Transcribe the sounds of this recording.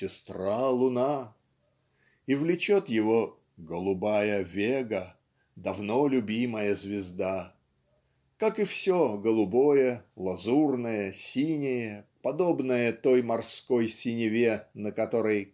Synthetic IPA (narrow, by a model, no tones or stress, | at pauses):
sʲɪst̪ralˠʊna | ivlʲɪt͡ɕo̞t̪jɪvo | ɡəlˠʊbajəvʲeɡə | d̪ɐvno̞lʲʊbʲiməjəzvʲɪzd̪a | kakɨfsʲoɡəlˠʊbo̞jəlˠɐzurnəjəsʲinʲɪjəpɐd̪o̞bnəjət̪o̞jmɐrskojsʲɪnʲɪvʲenəkɐt̪o̞ɾəj